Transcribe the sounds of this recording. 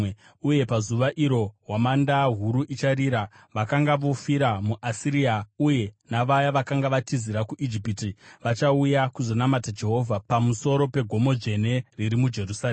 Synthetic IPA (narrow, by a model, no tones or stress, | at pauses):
uje̞pazuʋaʔiɾo̞ɦwamandaɦuɾuʔit͡ʃaɾiɾa | ʋakaŋɡaʋo̞fiɾamuʔasiɾiauje̞naʋajaʋakaŋɡaʋatiziɾakuʔid͡ʒipitiʋat͡ʃaujakuzo̞namatad͡ʒe̞ɦo̞ːvʱapamuso̞ɾo̞pe̞ɡʱo̞mo̞d͡ʒe̞neriɾimud͡ʒe̞rusae